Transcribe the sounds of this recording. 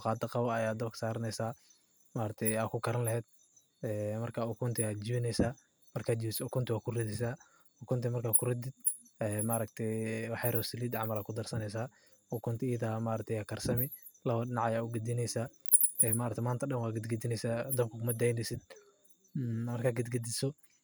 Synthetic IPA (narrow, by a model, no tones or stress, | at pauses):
qɑːd̪ɐqɑβɐɐjaːd̪ɐbkʰɐ̥saːɾnɛjsaː | maːɾɐt̪ʰɛjaːkʰʊkʰɐɾɐnlɐɦhɛːd̪̥̚ | ɛːmɐrkʰaʊkʰʊnt̪ʰɪaːd͡ʒɪβɪnɛjsaː | mɐrkʰaːd͡ʒɪsɔkʰʊnt̪ʰɪwaːkʰʊrɪd̪ɛsaː | ʊkʰʊnt̪ʰɛmɐrkʰaːkʰʊrɪd̪ɪd̪̚ | ɛːmaɾɐkt̪ʰɛjwɑħɛɾɔːsɪliːd̪ɑʕmɐlaːkʰʊd̪ɐrsɐnɛjs̬aː | ɔkʰʊnt̪ʰɪjɐðaːmaɾɐt̪ʰɛjaːkʰɐrsɐmɪ | lɐβɐɗɪnɑʕɐjaːʊɡɐd̪ɪnɛjsaː | ɛːmaːɾɐkt̪ʰɛmaːnt̪ʰɐɗɐnwaːɡɐd̪ɡɐd̪ɪnɛjsaːd̪ɐbkʰʊkʰʊmɐd̪ɛjnɛsɪd̪̥ | mɐrkʰaːɡɐd̪ɡɐd̪ɪsɔ